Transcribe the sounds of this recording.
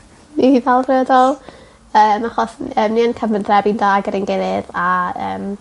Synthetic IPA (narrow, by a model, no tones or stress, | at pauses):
niivalˠvrɛdɔlˠ | əːmaχɔsəːmniənkʰəmənθrɛbindaːɡəɾɪnɡɛðɨðaəːm